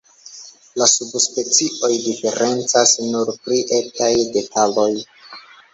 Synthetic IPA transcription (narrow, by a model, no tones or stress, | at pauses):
lasubspe̞t͡siʔo̞jdife̞ɾe̞nt͡sasnuɾpɾiʔetajde̞tʰalo̞j